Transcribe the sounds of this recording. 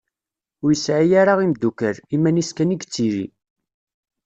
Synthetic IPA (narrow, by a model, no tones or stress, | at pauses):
ʊɾjəsʕijaɾaʁimd̪ːukəɾimːæniskæniɡt͡sːiɾḭ